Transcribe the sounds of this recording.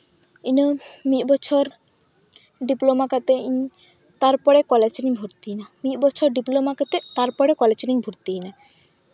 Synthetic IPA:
inəmibɔt͡ɕʰoɾ | ɖiplomakat̪ei | t̪aɾpɔɽekɔlet͡ʃnibʱuɾt̪inamibɔt͡ɕʰoɾɖiplomakat̪et̪aɾpɔɽekɔlet͡ʃnibʱuɾt̪ina

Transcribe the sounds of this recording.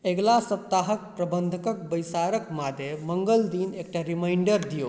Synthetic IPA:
eɡlasət̪ːaɦək̚pɾəbənd̪ʱəkək̚bəjsaɾəkmad̪ʱjeməŋɡəld̪inek̚ʈaɾimaɪɳɖəɾd̪ijo

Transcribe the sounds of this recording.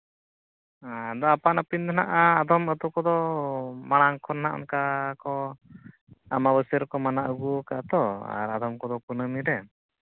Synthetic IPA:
ad̪ɔapanapint̪ʰana̰ʔaːd̪ɔmət̪ɔkɔd̪ɔmaɽ̃aŋkʰɔnːaʔɔ̰nkakɔ | amabəsəɾkɔmanaʔuɡukaʔt̪ɔa̰ɾad̪ɔmkɔd̪ɔpunəmid̪ɛ

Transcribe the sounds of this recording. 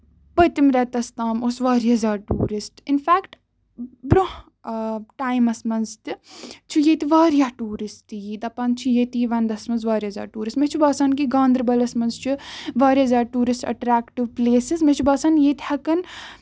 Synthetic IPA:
bɐt̪imɾɛt̪ɐst̪aːmosʋaːɾijɐzaːɾʈṵːɾisʈɪnfaːkʈ | bɾoh | ʈaːjmɐsmɐnzt̪it͡ʃʰujeːt̪iʋaːɾijaːʈuːɾist̪ijiːd̪ɐpaːnt͡ʃʰujeːt̪iːʋɐnd̪ɐsmɐnzʋaːɾiɐzʲa̰ːɾʈuːɾisʈmet͡ʃʰubaːsaːnkiɡãːnd̪ɾbɐlɐsmɐnzt͡ʃʰuʋaːɾʲiɐzaːɾʈuːɾisʈɐ̰ʈɾaːkʈiʋpleːsizmet͡ʃʰubaːsaːnjeːt̪ihɐkɐn

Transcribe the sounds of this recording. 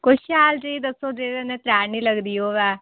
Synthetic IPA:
kʊt͡ʃʰʃaːld͡ʒəiːd̪əsːoːd̪eːɾenẽːt̪ɾaːnĩːləɡd̪iːoːʋɛː

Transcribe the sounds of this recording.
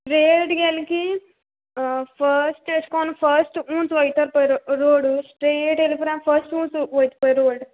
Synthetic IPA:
ɾeːɖɡeliki | pʰɐɾsʈeskoːnɐpʰɐɾsʈuːnsʋɐjt̪ɐɾpojɾuɾoːɖusʈɾeːʈelipɾaːmpʰɐɾsʈuːnsʋɐjt̪pojɾoːɖ

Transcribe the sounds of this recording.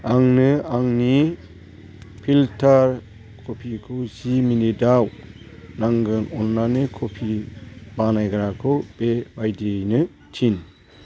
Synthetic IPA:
aŋnɯaŋni | pʰiltʰaɾ | kʰopʰikʰuwsiminidaw | naŋɡɯnɔnːanekʰopʰibanajɡaɾakʰɯwb̥ebajdejnɯ | tʰin

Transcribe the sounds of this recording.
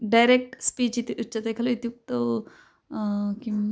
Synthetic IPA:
ɖajɾek̚ʈspiːt͡ʃit̪iʔut͡ʃːɐt̪ekʰɐloit̪juk̚t̪o | kim

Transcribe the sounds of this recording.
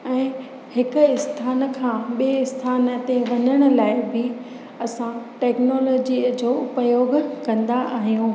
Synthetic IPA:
ɛ̃ː | hɪkʊ̆ɪst̪ʰaːnkʰãːɓieɪst̪ʰaːnət̪eʋɐɲəɽ̃ə̆laːɪbɪ | ɐsãʈɛːknoːlɔːd͡ʑid͡ʑoːʊpəjoːɡʱkɐ̃nd̪aʔaːɦijũː

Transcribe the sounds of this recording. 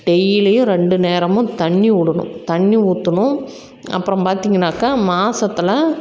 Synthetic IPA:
ɖɛjɪlɐjʊ̃ɾɛɳɖɯneːɾɐmʊ̃t̪ɐɳːiʊɽɯɳʊ̰̃t̪ɐɳːiuːt̪ːɯnʊ̃ | ɐ̰pːɯɾɐ̃mpaːɾt̪iːŋɡɐnːaːkaːmaːsɐt̪ːɪlɐ

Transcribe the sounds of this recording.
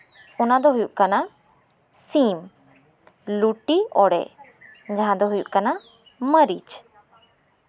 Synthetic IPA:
ɔnad̪ɔɦujuʔ̚kana | sim | luʈiɔɽɛ̰ | d͡ʒaɦãd̪ɔɦujṵʔ̚kana | məɾḭt͡ʃ

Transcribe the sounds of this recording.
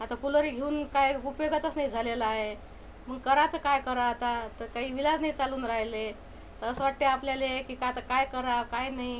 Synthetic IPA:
at̪akuləɾiɡʱeuːnkajupjoɡət̪əsnaid͡zʱalelaɦe | m̤əkəɾat͡səkajkəɾat̪at̪əkaɦiːʋilad͡znait͡saluːnɾaɦle | t̪əəsʋaʈːeapljalekikat̪akajkəɾakajnaɦi

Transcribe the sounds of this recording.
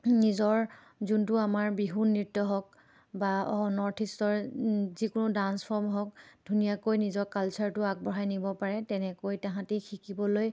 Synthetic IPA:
nizɔɹ | zuntʊamaɹbiɦunːitːɔɦɔk̚ | baɔnɔɹtʰistɔɹzikʊnʊdanspʰɔɹmɦɔk̚dʱunijakojnizɔɹkalsʰaɹtʊak̚bɔɦajnibɔpaɹɛtɛnɛkojtãɦãtikʰikibɔloj

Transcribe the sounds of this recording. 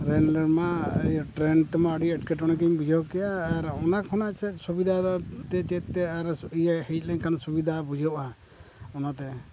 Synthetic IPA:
ɾɛnlɛɾmaḛjʈɾɛnt̪ɛmaəɖiɛʈkɛʈɔɽ̃ɛk̬ɛmbid͡ʒʱɔkɛjaːɾɔnakʰɔnat͡ʃʰɛsubid̪ʱat̪ɛt͡ʃɛt̪̚ːɛaɾijhɛc̚ˀlɛɲkʰansubid̪ʱabud͡ʒʱɔʔa | ɔnat̪ɛ

